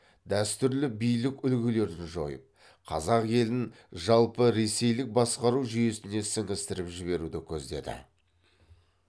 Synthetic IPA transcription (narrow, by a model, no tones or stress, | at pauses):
d̪̥æst̪ʏɾlɪbijlɪkʲʏlɡʲɪle̞ɾd̪ɪnʒo̞̰jə̰p̚ | qʰɑ̰zɑqje̞lɪŋ | ʒɑlˠpəɾe̞se̞jlɪk̚bɑsqɑɾuʒʏje̞sɪne̞sɪŋɪst̪ɪɾɪpʒɪβe̞ɾud̪ɪkʲʰɵzd̪e̞̰d̪ɪ̰